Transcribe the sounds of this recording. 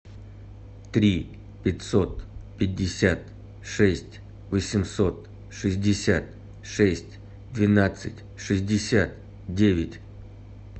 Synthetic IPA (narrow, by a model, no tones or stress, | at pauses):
t̪ɾʲi | pʲɪtʲso̞t̪pʲɪdʲːɪsʲat̪ | ʂɛsʲtʲ | vəsʲɪmso̞t̪ | ʂɨzʲdʲɪsʲat̪ | ʂɛsʲtʲ | d̪vʲɪnat̪sɨtʲ | ʂɨzʲdʲɪsʲat̪̚ | dʲevʲɪtʲ